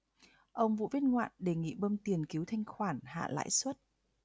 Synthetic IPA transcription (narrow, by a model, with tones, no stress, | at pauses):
ʔə˧wŋ͡mvṵ˧˨vi˦˥ət̚ŋwa̰ː˧˨nɗe˧˨˩ŋḭ˧˨ɓəː˧mt̪i˨˩ənki˨˦wt̪ʰa˧jŋ̟xwaː˧˩nha̰ː˧˨la̰ː˧˥jswə˦˥t̚